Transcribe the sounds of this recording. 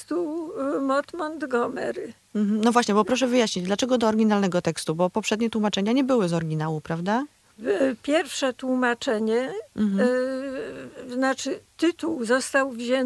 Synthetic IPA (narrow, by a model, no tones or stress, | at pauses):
t̪umɔt̪mɔnd̪ɡɔmɛ̰ɾ | m̩ɦm̩nɔvwaɕɲɛbɔpɾɔʂ̬ɛvɘjaɕɲid͡ʑd̪lat͡ʂɛɡɔd̪ɔːɾɡʲinalnɛɡɔt̪ɛkst̪ubɔpɔpʂɛd̪ɲɛt̪wumat͡ʂɛɲaɲɛbɘwɘzɔɾɡʲinawupɾavd̪a | pʲjɛɾfʂɛt̪wumat͡ʂɛɲɛm̩ | znat͡ʂɘt̪ɘt̪uwzɔst̪awvʑɛn